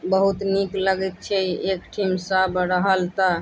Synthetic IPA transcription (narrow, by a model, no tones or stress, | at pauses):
bəɦut̪nikləɡɛt̪̚t͡ʃʰɛekʈʰimsabɾəɦəlt̪ə